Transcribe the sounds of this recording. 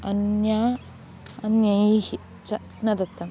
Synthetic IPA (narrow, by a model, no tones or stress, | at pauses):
ɐnja | ɐnjɐjhi | t͡ʃɐ | nɐd̪ɐt̪ːɐm